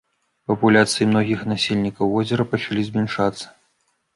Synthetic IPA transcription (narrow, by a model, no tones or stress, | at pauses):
pɐpulʲat̪sɨjimnɔɣʲixnasʲelʲnʲikɐwvɔzʲɐɾɐpɐt͡ʂalʲizʲmʲɛnʂat̪sːɐ̥